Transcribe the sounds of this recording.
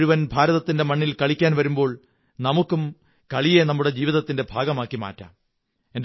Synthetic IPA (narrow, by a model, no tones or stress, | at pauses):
ɾuʋɐnbʱaːɾɐðɐt̪ːinde̞mɐɳːilkɐɭikʲːaːnʋɐɾumbo̞ːɭ | nɐmukːum | kɐɭijenɐmːuɽe̞d͡ʑiːʋiðɐt̪ːinde̞bʱaːɡɐmaːkːima̰ːtːa̰m | e̞n